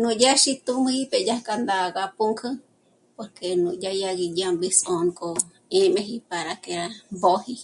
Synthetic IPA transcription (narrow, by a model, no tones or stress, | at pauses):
nũd͡ʒaʃit̪umhiped͡ʒahkand̪aɡapuŋkʰɨ | poɾkenũd͡ʒajaɡid͡ʒambisonkʼo | ẽmẽɦipaɾakeɾabohi